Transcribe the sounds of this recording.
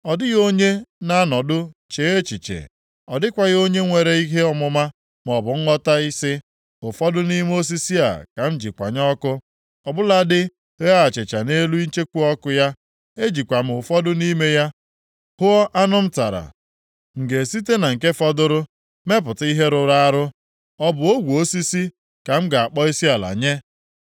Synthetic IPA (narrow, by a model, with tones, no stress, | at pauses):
ɔ˨dɪ˦ɣo˦ɲe˦na˦a˦nɔ˨dʊ˦t͡ʃe˨˦e˦t͡ʃi˨t͡ʃḛ˨ | ɔ˨dɪ˦kʷa˨ɣo˦ɲe˦ŋʷe˨ɾe˦i˦ɦe˦ɔ˦mʊ˦ma˦ | m˨ɔ˨bʊ˨ŋ̩˦ɔ˦ta˦i˦sɪ˦ | ʊ˨fɔ˦dʊ˦ni˦m˦o˦s̬i˦si˦a̰˨ka˨m̩˦d͡ʒi˨kʷa̰˨ɲɔ˦kʊ˦ | ɔ˨bʊ˦la˦dɪ˦ | a˦a˨t͡ʃe˨t͡ʃa˨ne˦lu˦i˦n̩˦t͡ʃe˦kʷu˦ɔ˦kʊ˦ja˦ | e˦d͡ʒi˨kʷa˨m̩˦ʊ˨fɔ˦dʊ˦ni˦me˦ja˦ | hʊ˦ɔ˦ʔa˦nʊ˦m̩˦ta˨ɾa̰˨ | ŋ̩˨ɡe˨si˦te˦na˨ŋ̩˨ke˦fɔ˦dʊ˦ɾʊ˦ | me˦p̬ʊ˨ti˦ɦe˦ɾʊ˨ɾa˦a˦ɾʊ˦ | ɔ˦bʊ˨o˦ɡʷu˨o˦si˦si˦ | ka˨m̩˦ɡa˨a˨k͡pɔ˦i˦si˦a˨la̰˨ɲe˦